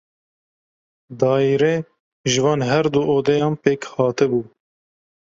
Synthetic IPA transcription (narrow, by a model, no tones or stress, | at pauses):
d̪ɑːiɾeː | ʒɨvɑːnɦɛɾd̪uːʔoːd̪ɛjɑːnpeːkhɑːt̪ɨbuː